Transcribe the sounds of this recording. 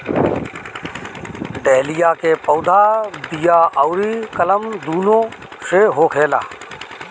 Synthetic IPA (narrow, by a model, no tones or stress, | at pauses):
ɖeːlɪjaːkepəːd̪ʱaːb̪ijaːʔəʊɾikələmd̪uːnõːseːɦoːkʰeːla̰ː